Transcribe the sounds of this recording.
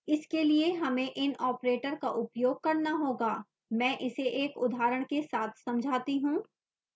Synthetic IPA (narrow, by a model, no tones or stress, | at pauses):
ɪskelieɦɐmẽʔɪnɔːpɾeːʈəɾkaʔʊpjoːɡ̚kɐɾnaɦoːɡaː | mɛ̃ːʔɪseʔeːkʊd̪ʱaːɾəɽ̃kesaːt̪ʰsɐ̃md͡ʒʱaːt̪iɦũː